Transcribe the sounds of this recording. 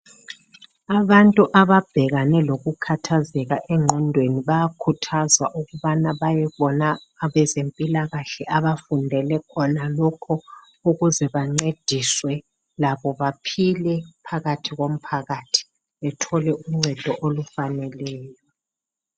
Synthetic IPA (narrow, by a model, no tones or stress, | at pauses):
aβantʼuʔaβab̥ʱɛɣanɛloɣukʰatʰazɛɣaʔɛŋ͡ǁʱɔndʱweniβajakʰutʰazwaʔuɣuβanaβajɛβɔnaː | βɛzempʼilaɣaɬɛʔaβafundʱɛlɛkʰɔnalɔkʰɔ | uɣuzɛβaŋ͡ǀed̥ʱiswɛ | laβɔβapʰilɛpʰaɣatʰiɣom̩pʰaɣatʰi̥ | βɛtʰɔlɛuŋ͡ǀʱɛd̥ʱɔʔolufanɛlɛːjɔ